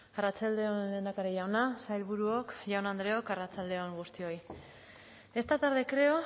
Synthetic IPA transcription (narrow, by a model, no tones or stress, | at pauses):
arat͡sald̪e̞onend̪akaɾeʝawnasajlβuɾuokʝawnand̪ɾe̞o̞karat͡sald̪e̞oŋɡust̪io̞j | e̞st̪at̪aɾðekɾe̞o